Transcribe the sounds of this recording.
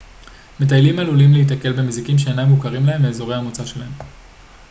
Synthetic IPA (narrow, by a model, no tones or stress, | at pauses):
me̞t̪̬ajlimalulimleit̪̬ake̞lbemizikimʃeːnamvukaʁimlae̞mbeːzo̞ʁe̞jhamut͡saʃe̞lahe̞m